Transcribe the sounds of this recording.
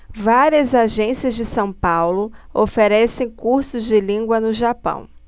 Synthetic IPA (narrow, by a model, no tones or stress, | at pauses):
vaɾiɐzaʒẽsiɐzd͡ʒɪsɐ̃w̃pawlʊofeɾɛsẽj̃kuɾsʊzd͡ʒɪlĩŋɡwɐnʊʒapɐ̰̃w̃